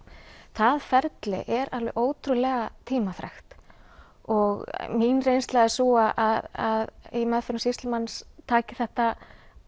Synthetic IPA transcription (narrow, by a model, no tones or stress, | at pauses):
θaðfɛɾt̪lɪ̰ʔɛɾalvɪ̰ʔoːwt̪ɾʏlɛɣat̪ʰiːmaθɾa̰xt̪ | ɔɣminrejnst̪laðɪsuaʔaðaðimɛðfɪɾsist̪lɪmanːst̪ʰaːcɪθɛht̪a